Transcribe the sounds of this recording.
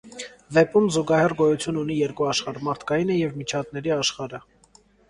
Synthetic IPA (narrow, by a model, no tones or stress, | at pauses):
vɛpumzuɡɑhɛrɡɔjut͡sʰjunun̪ijɛɾkuɑʃχɑɾmɑɾt̪ʰkɑjinəjɛvmit͡ʃʰɑt̪nɛɾiɑʃχɑɾə